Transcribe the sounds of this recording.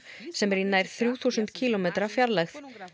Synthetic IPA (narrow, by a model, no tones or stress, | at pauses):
sɛmɾinːajɾ̥θɾjuːθusʏnt̪cʰiːlɔmeːt̪ɾafjaɾlɛxθ